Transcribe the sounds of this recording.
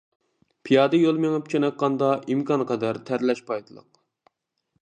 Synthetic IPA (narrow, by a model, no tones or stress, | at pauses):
pʰijɑːd̪ɨjolˠmeŋɨpt͡ʃʰɛnɑt̪̚qɑnd̪ɑʔimkʰɑnqʰɑd̪æɾt̪ʰæɾlɛʃpʰɑjt̪ʰɨlˠə̰q̚